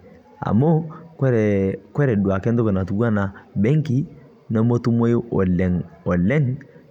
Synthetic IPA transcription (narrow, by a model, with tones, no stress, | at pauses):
a̰˨mo˦kɾkwɛ˦ɾɛ˨du˨a˨kɛ˦ndɔ˦kɔ˨na˨tu˨ɡu˦a˦na˨bɛ˦ŋki˦ | nɔ˦mo˦tu˦mo˦jo˦ʔlɛ˨ŋɔ˨lɛ˦ŋ